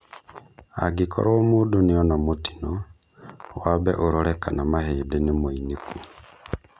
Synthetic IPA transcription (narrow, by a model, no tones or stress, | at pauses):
a̰ɡikʰo̰ɾomuːdunijonamoti̥no | waβeʔoɾoɾekanamahedenimoiniku